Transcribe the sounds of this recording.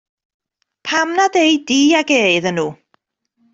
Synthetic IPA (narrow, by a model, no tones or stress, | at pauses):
pʰamnadejdiːaɡeːɨðənuː